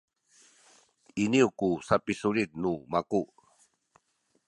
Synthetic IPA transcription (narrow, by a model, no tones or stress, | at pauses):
iniukusapisulit̪̚numaku